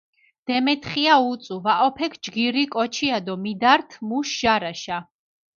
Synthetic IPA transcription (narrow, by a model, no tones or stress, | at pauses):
d̪̥ɛmɛt̪ʰχiaut̪sʼuvaʔɔpʰɛkʰd͡ʒɡiɾikʼɔt͡ʃʰiad̪ɔmid̪aɾt̪ʰmuʃʒ̥aɾaʃa